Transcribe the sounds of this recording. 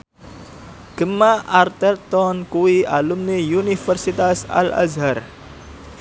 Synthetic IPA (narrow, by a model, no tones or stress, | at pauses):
ɡ̥əmaʔart̪ɛrt̪ɔnkuwiʔalumnijunifərsit̪asa̰la̰zɦar